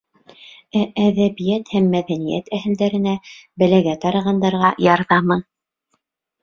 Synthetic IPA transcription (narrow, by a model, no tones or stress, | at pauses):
ææðæβijæt̪hæmːæðænijæ̰t̪ʰæhɘ̆ld̪æɾɘ̆næbɘ̆læɡæt̪ɑɾɑʁɑnd̪ɑɾʁɑjɑɾðɑmɤn